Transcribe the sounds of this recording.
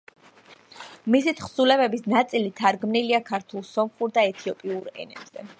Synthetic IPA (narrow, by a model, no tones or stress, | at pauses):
misit̪ʰχsulɛbɛbisnat̪sʼilit̪ʰaɾɡmniliakʰaɾt̪ʰulˠsɔmχuɾd̪aɛt̪ʰiɔpʼiuɾɛ̰nɛ̰bz̥ɛ